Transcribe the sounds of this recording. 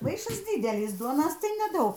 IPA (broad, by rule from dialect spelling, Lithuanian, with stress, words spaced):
ˈmɐɪʃɐs ˈdʲiːdʲɛlʲɪs ˈduɔnoːs tɐɪ nʲɛˈdɐʊk